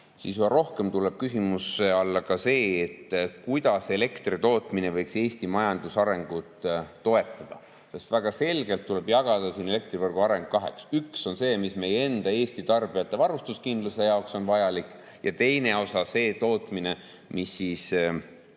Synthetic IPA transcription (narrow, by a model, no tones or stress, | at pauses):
siːsjybɑɾo̞hke̞mt̪ule̞b̥kysimuseɑlːɑkɑse̞ːt̪ːkujd̪ɑse̞le̞kt̪rit̪o̞ːt̪ˑmine̞vɤjkse̞ːst̪imɑjɑnd̪̥usɑɾe̞ŋɡ̥ut̪ːo̞e̞t̪ːˑɑd̪̥ɑ̰ | se̞st̪væɡ̥ɑse̞lɡ̥e̞lt̪ːule̞bjɑɡ̥ɑd̪̥ɑsine̞le̞k̚t̪rivɤrɡ̥uɑɾe̞ŋɡ̥kɑɦe̞̰ksykso̞nse̞ːmisme̞jee̞nd̪̥ɑe̞ːsʲt̪it̪ɑrb̥ijɑt̪ˑːe̞vɑrust̪uskind̪luse̞jɑokso̞nvɑjɑlikːˑ | jɑ̰t̪e̞jne̞o̞sɑse̞ːt̪o̞ːt̪ˑmine̞ | misːiːs